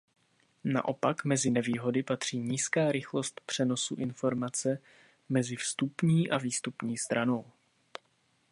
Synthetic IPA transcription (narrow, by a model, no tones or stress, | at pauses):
na̰ʔo̞pakmɛzɪnɛviːɦo̞dɪpat̪r̝̥iːɲiːskaːɾɪxlo̞st̪pr̝̥ɛno̞suʔɪnfo̞ɾmat͡sɛ | mɛzɪfst̪upɲiːʔaviːst̪upɲiːst̪ɾano̞w